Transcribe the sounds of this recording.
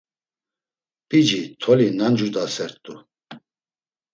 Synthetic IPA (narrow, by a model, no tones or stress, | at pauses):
pʼid͡ʒit̪ʰɔlinand͡ʒud̪asɛɾt̪ʼu